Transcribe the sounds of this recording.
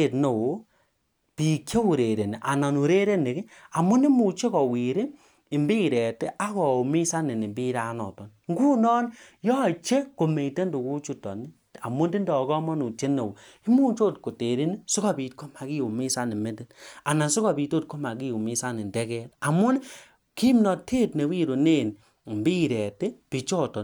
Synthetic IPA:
e˨tno˨wo˨ | pi˨kje˦u˨ɾe˨ɾe˨ni˨ʔa˨na˨nu˨ɾe˦ɾe˦ne˨ki˦a˨mʊ˦ni˦mu˨t͡ʃe˦kɔ˨wi˨ɾi˦ | ɪ˨mbi˦˨ɾɛ˨te˦ʔa˦kɔ˨u˨mi˦sa˦ni˨ni˨mbi˦ɾa˦nɔ̰˨tɔ˨nŋɡu˦nɔː˦n˦jɔ˦˨t͡ʃe˦ko˨me˨te˦ndu˨ku˦t͡ʃu˦tɔ̰˨ni˦ | a̰˨mu˦ndi˦ndɔ˨ɡɔ˦mɔ˦nu˨t͡ʃe˦ne˨w | i˦mu˦t͡ʃo˦˨tko˨te˨ɾi˦ni˦sʊ˦ka˦bi˨tko˦ma˨ki˦u˨mi˦sa˦ni˨me˦ndi˦na˨na˨su˦ka˨bi˨to˦˨t̚ko˦ma˨ɡi˦u˨mɪ˦sa˦ni˨ndɛ˦kɛ˦ta˨mu˦n˦ | ki˦mnɔ˨tʰe˦˨tne˨wi˦ɾo˨ne˦˨n˨ | mbi˦˨ɾɛ˨te˦pi˨t͡ʃɔ˦tɔ˨n

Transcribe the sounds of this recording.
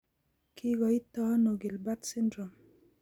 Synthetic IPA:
kɪ˦ɡɔ˨i˦tɔ˦no˨ɡɪ˨lba˦t̪sɪ˦ndɾɔ˨m

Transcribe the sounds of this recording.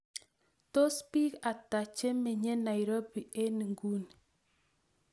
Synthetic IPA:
to˦spi˦ka˨ta˨t͡ʃe˦me˨ɲɛ˦na˨jɾo˦bi˨e˦n˨ŋɡu˦n

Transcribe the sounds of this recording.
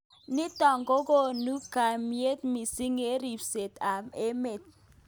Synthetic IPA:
ni˦tɔ˨ŋɡo˦ko˦˨nu˦ka˨mi˦e˦t̪̚mi˨si˦ŋe˦ɾi˨fse˨ta˨me˦me˨t̪̚

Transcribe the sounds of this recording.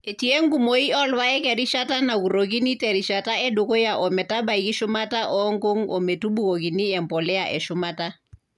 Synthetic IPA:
e˨ti˨e˦ŋɡu˦mo˨i˦ɔ˦lwa˦ɛ˦kɛ˨ɾi˦ʃa˦ta˦na˨ku˨ɾo˨k̬i˦ni˦tɛ˨ɾi˨ʃa˨ta˦ɛ˦do˨ko˦ja˨ʔɔ˨mɛ˨ta˦ba˨i˨ki˦ʃʊ˦ma˦ta˦ʔɔ˦ŋ˦ɡo˦ŋɔ˨me˨tu˦bu˦ko˨k̬i˨ni˦ɛ˨mpɔ˨lɛ˦a˨ʔɛ˨ʃʊ˦ma˦ta˦

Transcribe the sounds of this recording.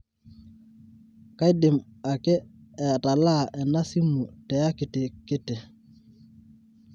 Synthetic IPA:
ka˦jdɪ˨ma˨kɛː˦˨ | ta˨la˦˨ʔɛ˨na˦si˦mu˨tɛ˨ja˦kɪ˨tɪ˨kɪ˦tɪ˨

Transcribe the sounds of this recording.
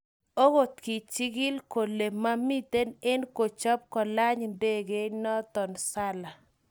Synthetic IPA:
o˦ɣo˨t̪ki˨t͡ʃɪ˦ɡɪ˦lko˨le˨ma˦mi˦t̪e˦ne˦nko˨t͡ʃɔ˦p̚kɔ˨la˦ɲnde˦ɡe˦nɔ˦t̪ɔ˨nsa˦la˨

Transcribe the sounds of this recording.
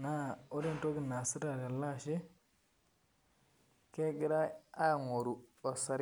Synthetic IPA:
na˦˨u˦ɾi˦n˨to˦ɡi˦˨na˨si˦ɾa˨ɾa˨la˦ʃi˦ | ke˦ɡi˦ɾa˦a˦˨ŋo˨ɾu˨o˨sa˨ɾ

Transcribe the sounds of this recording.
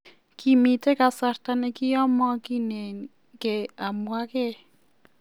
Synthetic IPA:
ki˨mi˨te˦ka˨sa˨rta˨nɛ˦kɪ˦ɔ˦mɔ˦ki˦ne˨n | ke˨a˨mwa˦ke˦

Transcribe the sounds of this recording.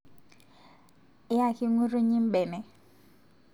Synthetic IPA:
ɪ˦a˦˨kʰi˦ŋu˦ɾu˦ɲi˦m̩˦ɓɛ˨nɛ˨

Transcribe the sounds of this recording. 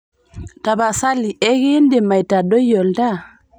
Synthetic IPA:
ta˨ba˨sa˦li˨ʔɛ˦ɣe˦ndɛ˨ma˨jta˨ɗo˦jɔ˨lda˦

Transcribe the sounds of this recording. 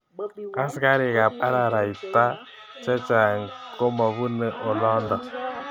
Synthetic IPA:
a˦ska˦ɾi˨ka˨pa˦ɾa˨ɾa˨i˨ta˦ | t͡ʃɛ˦t͡ʃa˨ŋ̩˨ko˦mɔ˨βu˦nə˦ʔo˨lɔ˦ndɔ˨

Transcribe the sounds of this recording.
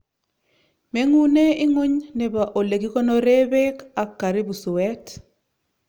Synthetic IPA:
me˦ŋu˦ne˦i˦ŋo˦ɲnɛ˨ba˨ʔo˨le˨ɡi˦kɔ˦no˦ɾe˦bɛ˦ka˨kːa˨ɾi˦bu˨su˨wɛ˦t

